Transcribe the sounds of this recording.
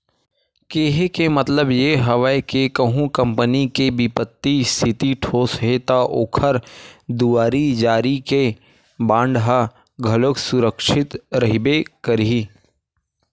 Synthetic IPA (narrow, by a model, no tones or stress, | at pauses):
keːɦekemɐt̪ləbjeɦɐʋəekekɐɦũkɐ̃mpənikebɪpət̪ːist̪ʰɪt̪iʈʰoːsɦet̪aʔoːkʰəɾd̪uaːɾid͡ʒaːɾike | bãːɳɖɦa | ɡʱɐloksʊɾəkʃɪt̪ɾɐɦibekəɾi